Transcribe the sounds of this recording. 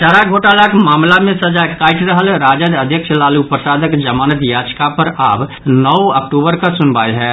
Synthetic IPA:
t͡ʃaɾaɡʱoʈalaːkʰmaːmlamẽsəd͡ʒakaɪʈɾəɦəlɾaːd͡ʒəd͡ʒ̪əd̪ʱjəkʃlalupɾəsaːd̪əkd͡ʒəmaːnət̪jad͡ʒkapəɾaːb | nəwəkʈobəɾkəsʊnbajɦɛ

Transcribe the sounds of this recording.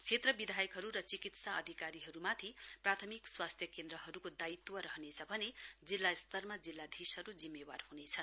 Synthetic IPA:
t͡sʰet̪rʌbid̪ʱajʌkɦʌɾuɾʌt͡sikit̪saʌd̪ʱikaɾiɦʌɾumat̪ʰiprat̪ʰʌmikswast̪ʰjʌkend̪ɾʌɦʌɾukod̪ait̪ːwʌɾʌɦʌnet͡sʰʌbʱʌned͡zilːast̪ʌrmad͡zilːad̪ʱisɦʌɾud͡zimːewarhunet͡sʰʌn

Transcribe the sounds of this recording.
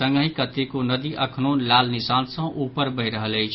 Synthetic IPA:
ə̃ŋɡəɦĩkət̪ekonəd̪iʔəkʰnonlaːlnisansə̃ʔupəɾbəɦɪɾəɦələjt͡ʃʰ

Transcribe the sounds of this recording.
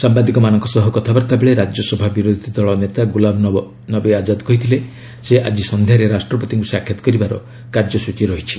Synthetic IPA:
sambad̪ikɔmanɔŋkɔsɔɦɔkɔt̪ʰabaɾt̪abeɭeɾad͡ʒjɔsɔbʱabiɾod̪ʱid̪ɔɭɔnet̪aɡulabʱ | nɔbead͡ʒad̪kɔɦit̪ʰile | seʔad͡ʒisɔnd̪ʱjaɾeɾasʈɾɔpɔt̪iŋkusakʰːjɔt̪ɔ̥kɔɾibaɾɔ̰ | kaɾd͡ʒɔsut͡ʃiɾɔɦit͡ʃʰi̥

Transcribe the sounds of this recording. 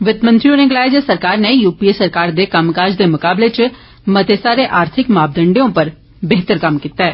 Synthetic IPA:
ʋɪt̪mənt̪ɾioːnẽɡlaːɪd͡ʒesəɾkaːɾneːjuːpiːesəɾkaːɾd̪eːkəmkaːɾd͡ʒd̪eːmʊkaːbleːt͡ʃ | mət̪eːsaːɾeːʔaːɾt̪ʰɪkmaːb̚d̪əɳɖeõːpəɾ | beːɦt̪əɾkəmkiːt̪ːaːɛː

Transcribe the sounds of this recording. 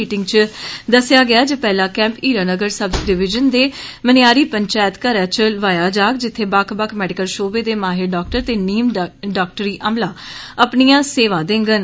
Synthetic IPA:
iːʈɪŋɡt͡ʃd̪əsɪjaːɡɪaːd͡ʒəpɛːlãːkɛ̃ːmpiːɾaːnəɡəɾsəbsɖɪʋɪd͡ʒənd̪eː | mənɪjaːɾiːpəɲt͡ʃaːjət̪kəɾɛːt͡ʃəlʋaːjaːd͡ʒaːkd͡ʒɪt̪ʰːeːbaːkʰbəkʰmɛːɖɪkəlʃoːbeːd̪eːmaːɦɪɾɖɔːk̚ʈəɾt̪eːniːmɖaːk̚ʈəɾiːʔəmlaːəpniːãːseːʋãːd̪ẽːŋɡən

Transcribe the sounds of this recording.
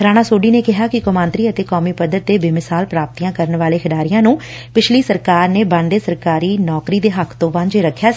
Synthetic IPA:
ɾaːɽ̃aːsoːɖiːneːkɪɦaːkɪkəmãːnt̪ɾiːət̪eːkɔːmiːpəd̪ːəɾt̪̚d̪eːbiːmɪsaːlpɾaːp̚t̪iːãːkəɾənʋaːleːkʰɪɖaːɾɪjãːnũː | pɪt͡ʃʰliːsəɾkaːɾneːbãɳɖ̪eːsəɾkaːɾiːnɔːkɾiːd̪eːɦəkʰt̪õːʋãnd͡ʒeːɾəkʰːjaː

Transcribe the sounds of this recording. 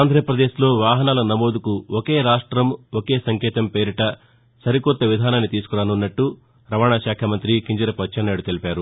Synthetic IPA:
aːnd̪ɾɐjɐpɾɐd̪eːʃlo̞ːʋaːɦɐnaːlɐnɐmo̞ːd̪ukuoke̞ːɾaːʂʈɾɐmoke̞ːsɐŋkɛːt̪ɐmpe̞ːɾiʈɐ | sɐɾikɔt̪ːɐʋid̪ʱaːnaːnːit̪iːsu̥kuɾaːnunːɐʈːu | ɾɐʋaːɳaːʃaːkʰɐmɐnt̪ɾikiɲd͡ʒɐɾɐpɐt͡ʃːɐnːɐːɽut̪e̞lipʲaːɾu

